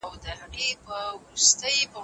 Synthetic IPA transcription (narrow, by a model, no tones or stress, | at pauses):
wd̪əhaɣepəwɾust̪əjba